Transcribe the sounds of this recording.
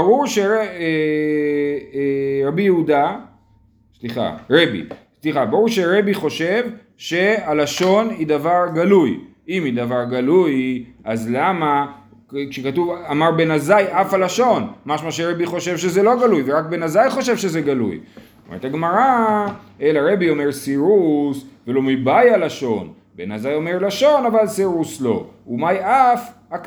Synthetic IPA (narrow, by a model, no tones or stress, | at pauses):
baʁuʁʃeee | ʁabijeud̪a | sliχa̰ʁe̞bḭsliχabaʁuʁʃe̞ʁe̞biχo̞ʃe̞v | ʃe̞alaʃo̞nid̪avaʁɡaluj | imid̪avaʁɡalujʔazlama | kʃekat̪uvamaʁbe̞nazajʔafalaʃo̞nmaʃmaʃ̬eʁebiχo̞ʃe̞vʃe̞zelo̞ɡalujveʁak̚be̞nazajχo̞ʃ̬evʃezeɡalṵj | omḛʁet̪aɡmaʁa | elaʁe̞bio̞meʁsiʁusvelo̞mibajalaʃo̞̰n | bḛnazajo̞meʁlaʃo̞navalsiʁuslo̞̰umajaf | ak